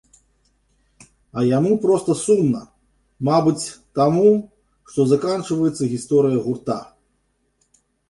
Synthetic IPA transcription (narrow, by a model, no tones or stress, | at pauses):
ɐjamupɾɔst̪ɐsunːɐ̰ | mabɨt͡sʲt̪amu | ʂt̪ɔzakant͡ʂvɐjɛt̪sɐɣʲist̪ɔɾɨjɐɣurt̪a̰